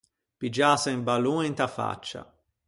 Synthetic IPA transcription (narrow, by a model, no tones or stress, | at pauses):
pid͡ʒaːsaĩmbaluent̪afa̰t͡ʃːa̰